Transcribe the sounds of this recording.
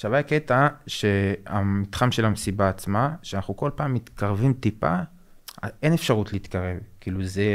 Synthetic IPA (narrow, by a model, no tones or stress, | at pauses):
ʃavajaket̪aʃeamit̪χamʃe̞lamesibaːt͡smaʃeanaχnuko̞lpaːmːit̪kaʁvimt̪ipa̰ | e̞nefʃaʁutliːt̪kaʁe̞vkiːluze